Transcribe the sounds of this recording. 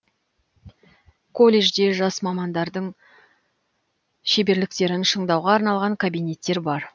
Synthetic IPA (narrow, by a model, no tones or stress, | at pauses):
kʰo̞lʲːe̞ʒd̪e̞ʒɑsmɑmɑnd̪ɑɾd̪əɴ | ʃe̞be̞ɾlɪk̚t̪e̞ɾɪnʃəɴd̪ɑwʁɑːɾnɑlˠʁɑŋkʰabijne̞t̪ːe̞ɾbɑɾ